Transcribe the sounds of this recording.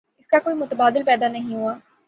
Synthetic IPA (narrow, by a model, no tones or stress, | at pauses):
ɪskakoːimʊt̪baːd̪ɪlpɛːd̪anəɦĩɦʊaː